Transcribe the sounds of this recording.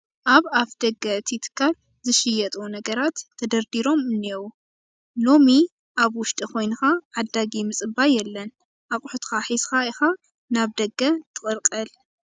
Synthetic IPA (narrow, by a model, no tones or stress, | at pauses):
ʔaβaβd̪̥ɐɡːɐɨt̪ʰit̪ʰɨ̥kʰːal | zɨʃɪjɛt̪ʼunɐɡɐɾat̪ʰːɐd̪ɐɾd̪iɾo̞mɨnːewu | lo̞mi | ʔaβwʊʃt̪ʼikʰo̞jnɨxaʕad̪aɡimɨt͡sʼɨbajɛlːɐn | ʔakʼʊħut̪ʰkaħizxaixa | naβd̪ɐɡːɐt̪ʰɨkʼɨlqʼɐl